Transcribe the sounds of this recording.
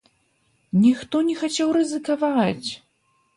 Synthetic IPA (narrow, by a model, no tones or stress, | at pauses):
nʲixt̪ɔnʲɛxat͡sʲawrɨzɨkavat͡sʲ